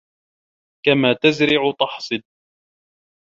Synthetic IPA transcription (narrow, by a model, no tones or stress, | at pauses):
kamaːt̪azɾɪʕt̪ˤɑħsˤɨd̪̚